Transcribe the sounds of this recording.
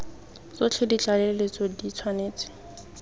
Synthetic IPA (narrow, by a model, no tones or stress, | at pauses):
t͡sot͡ɬʰedit͡ɬʼalelet͡sɔdit͡sʰwaneːt͡sʼɪ̥